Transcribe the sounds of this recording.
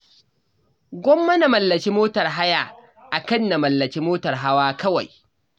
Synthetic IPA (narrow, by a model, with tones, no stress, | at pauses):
ɡʷɔ˦mːɐ˦na˨mɐ˨lːɐ˨kʲi˦moː˦tɐ˨rɦa˦ja˦˨ | ʔa˨kɐ˦nːa˨mɐ˨lːɐ˨kʲiː˦moː˦tɐ˨rɦa˦waː˦kɐ˦wa̰˨j